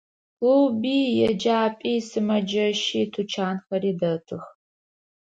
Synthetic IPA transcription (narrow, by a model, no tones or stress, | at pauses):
lɨwbiːjɛd͡ʒaːpʼiːsɨmɐd͡ʒɐʃiːtʰut͡ʃʰaːnxɐɾiːdɐtʰɨx